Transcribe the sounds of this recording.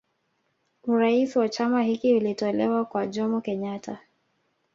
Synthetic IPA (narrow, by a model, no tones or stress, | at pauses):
uɾaisiwat͡ʃamahikiulitɔlɛwakwaʄɔmɔkɛɲatʰa